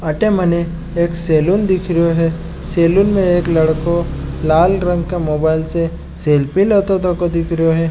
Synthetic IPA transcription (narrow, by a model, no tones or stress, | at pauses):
aʈemɐneː | kseːlund̪ɪkʰɾjoɦɛ | seːlunmẽeːklɐɽkolaːlɾɐ̃ŋɡkemoːbaːɪlse | seːlpilət̪ot̪okod̪ɪkʰɾijoɦɛː